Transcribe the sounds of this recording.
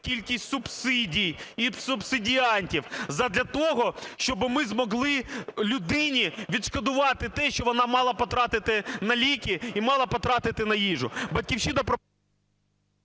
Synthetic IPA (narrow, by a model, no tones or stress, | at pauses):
kʲilʲkʲisʲtʲsʊbsɪdʲijisʊbsɪdʲiɑnʲtʲiwzɐd̪lʲɐt̪ɔɦɔʃt͡ʃɔbɪmɪzmɔɦlˠɪlʲʊd̪ɪnʲiʋʲid̪ʃkɐd̪ʊʋɑt̪ɪt̪ɛʃt͡ʃɔʋɔnɑmɑlˠɐpɔt̪ɾɑt̪ɪt̪ɪnɐlʲikʲiimɑlˠɐpɔt̪ɾɑt̪ɪt̪ɪnɐjiʒʊbɐtʲkʲiwʃinɐpɾɔ